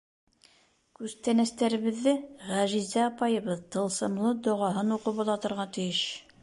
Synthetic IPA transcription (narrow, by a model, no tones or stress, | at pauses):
kʉzt̪ænæst̪æɾɘ̆βɘ̆ðːɘʁæʒizæɑpɑjɤ̆βɤðt̪ɤ̆lˠsɤ̆mlˠɤd̪ŏʁɑɦɤnuqɤpɑ̆lˠɑt̪ɤ̆ɾʁɑt̪ɘ̆jɘʃ